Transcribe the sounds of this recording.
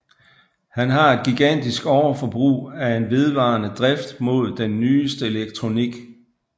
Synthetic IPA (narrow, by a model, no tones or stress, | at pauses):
hænɦɑ̈e̝d̥̚ɡ̥iɡ̥æn̰d̥isɡ̥ɒʊɐfɒ̽b̥ʁṵːæe̝nʋe̝ð̞ˠʋɑ̈ːnəd̥ʁɛfd̥mo̝ð̞̰ˠd̥enːyːsd̥əe̝leɡ̥̚t͡sʰʁo̝niɡ̥